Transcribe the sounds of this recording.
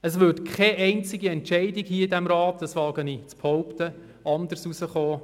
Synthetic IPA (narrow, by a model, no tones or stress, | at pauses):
əsʋʏtkʰχɛʔɛɪnt͡sɪɡiɛntʃɛɪdɪkhiːɪdɛmɾɑːt̚dɑsʋɑːɡənit͡sphɔʊpt̪ə | ɑnd̪əɾsusəχoː